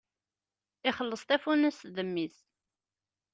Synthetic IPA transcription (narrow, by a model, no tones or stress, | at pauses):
ɪχəlːəsˤt̪æfunæsðəmːis